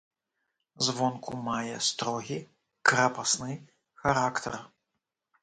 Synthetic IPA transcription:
zvɔnkʰumajɛst̪ɾɔɣʲi | kɾapasnɨ | xaɾakt̪ʰɛr

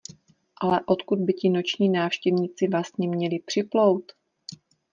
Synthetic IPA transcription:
ʔalɛʔo̞t̪kud̪̚bɪcɪno̞t͡ʃɲiːnaːfʃcɛvɲɪt͡sɪvlast̪ɲɛmɲɛlɪpr̥ɪplowt̪

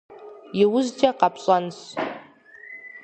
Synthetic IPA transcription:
jiwʊzd͡ʒʼaqapʰɕʷʼans

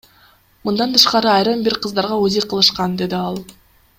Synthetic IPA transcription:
mund̪ɑnt̪ʰɯʃqɑɾɯɑjɾɯmbiɾqʰɯzd̪ɑɾʁɑozijqʰɯlˠɯʃqɑnd̪e̞d̪iɑlˠ

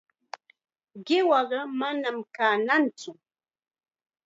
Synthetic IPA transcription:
ɢɪwɑɢɑmanamkaːnant͡sʊ

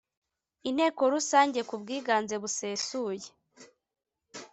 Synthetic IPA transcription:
in̥he̞ːko̞ɾusaːɲɟe̞kubɡiːɡaːnze̞βuseːsuːje

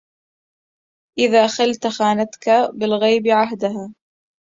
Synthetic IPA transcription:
ʔɪðaːxalt̪xaːnat̪kabɪlɣajbɪʕaɦd̪aɦaː

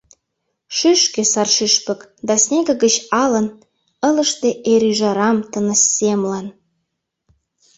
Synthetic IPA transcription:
ʃyʃkĕsɑrʃyʃpə̆kd̪ɑsnʲeɣə̆ɣət͡ɕɑlə̆n | ə̆lə̆ʃt̪ĕʔeɾyʒɑɾɑmt̪ənə̆sːemlɑn

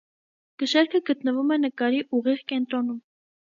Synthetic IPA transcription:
ɡ̥əʃɛɾkʰəɡət̪nəvumɛnəkɑɾiʔuʁiʁkɛnt̪ɾɔnum

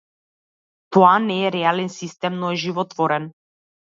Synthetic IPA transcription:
t̪ɔanɛːɾɛalɛnsist̪ɛmnɔɛʒivɔt̪vɔɾɛn

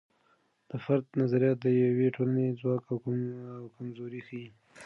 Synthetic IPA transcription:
d̪̥əfaɾd̪nazaɾijɑt̪̚d̪əjaweʈolanezwɑkawwkamzoɾixai

